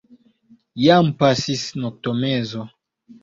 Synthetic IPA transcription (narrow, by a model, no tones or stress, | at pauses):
jampasisnok̚tomezo